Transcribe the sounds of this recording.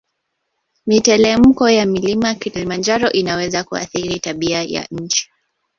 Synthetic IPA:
mitɛlɛm̩kɔjamilimakiɾilimand͡ʒaɾɔʔinawɛzakua̰θiɾitaɓiaja̰ɲ̩t͡ʃi̥

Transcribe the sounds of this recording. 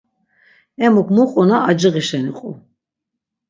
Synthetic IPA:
ɛmukʰmuqʼɔnaːd͡ʒiɣiʃɛniqʼṵ

